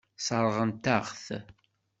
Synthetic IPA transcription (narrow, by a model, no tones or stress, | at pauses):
sˤəɾˤʁənt̪æʁθ